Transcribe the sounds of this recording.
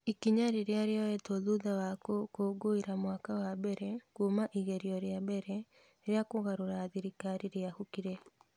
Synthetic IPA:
ikiɲaɾeɾeaɾeɔɛtoðuðawakokoːɡoiɾamwakawabɛɾɛkumaʔiɣɛɾiɔɾjabɛɾɛ | ɾjakoɣaɾoɾaːðiɾikaɾiɾeahukiɾɛ

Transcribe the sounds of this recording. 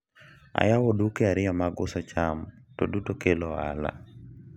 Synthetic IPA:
a̰jawodukeaɾɪjɔmaɡʊsɔt͡ʃamtodutokeloa̰la̰

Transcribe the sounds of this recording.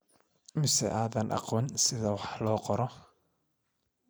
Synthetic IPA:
mɪsɛ̰ʔaːðɐnʔɑ̰qɔːnsɪðɐwɑħlɔːqɔɾɔ

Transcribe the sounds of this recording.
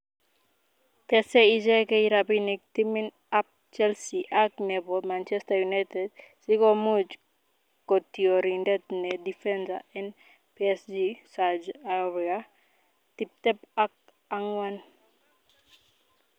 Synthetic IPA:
pɛsɛid͡ʒekejɾabinik̚t̪imin | ap̚ | t͡ʃɛlsiʔaknɛbɔmant͡ʃɛst̪ajunajt̪ed̚sikomud͡ʒ | kot̪iɔɾindɛt̪nɛdifɛnsa̰ɛn | piɛsd͡ʒisad͡ʒawia | t̪ip̚t̪ɛpak̚ | aŋwan

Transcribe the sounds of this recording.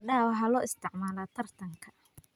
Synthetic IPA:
ɖaːwɦɐlɔːɪst̪ʰɪʕmaːlaːt̪ʰɐrt̪ʰɐŋkʰɐ̥

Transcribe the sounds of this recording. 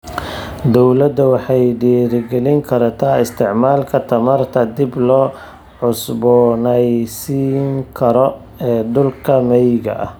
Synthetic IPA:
d̪ɔwlɐd̪ɐwɑħɑjɖiːɾɪɡɛlɪŋkʰɐɾɐt̪ʰaːɪst̪ʰɪʕmaːlkʰɐt̪ʰɐmɐrt̪ʰɐd̪ɪblɔː | ʕʊsbɔːnɛjsiːŋkʰɐɾɔ | ɛːd̪ʊlkʰɐmɛjɣɐ̰ʔɐ̰h

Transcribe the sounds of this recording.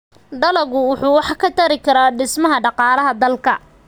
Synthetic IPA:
d̪ɐlɐɣʊwʊħuːwɑħkʰɐt̪ʰɐɾɪkʰɐɾaːɖɪsmɐɦɐɖɑqɑːlɐɦɐd̪ɐlkʰɐ

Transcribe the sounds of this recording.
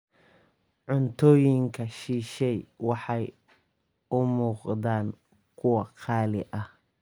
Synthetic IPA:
ʕʊnt̪ʰɔːjɪŋkʰɐʃiːʃɛjwɑħɑj | ʊmuːqd̪aːn | kʰʊwɐqʰɑːlɪ̰ʔɐh

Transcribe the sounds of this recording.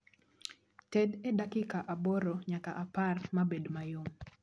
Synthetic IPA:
tɛdɛdakɪkaʔabɔɾɔɲakaʔaparmabedmajom

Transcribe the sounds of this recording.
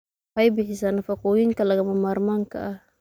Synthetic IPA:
ħɑjbɪħɪsaːnɐfɐqʊjɪŋkɐlɐɣɐmɐmaːɾmaŋkʰɐ̰ʔɐh

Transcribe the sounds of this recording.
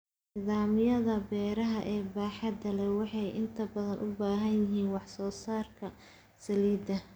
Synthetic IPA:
niːðaːmɪjɐðɐbɛːɾɐɦɐʔɛːbaːħɑd̪ɐlɛwɑħɑjʔɪnt̪ʰɐbɐðɐnʔʊbaːɦɐnjɪɦiːnwɑħsɔːsaːrkʰɐ | sɐliːd̪ɐ

